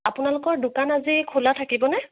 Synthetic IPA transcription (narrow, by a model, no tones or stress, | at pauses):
apʊnalʊkɔɹdʊkanazikʰulatʰakibɔnɛ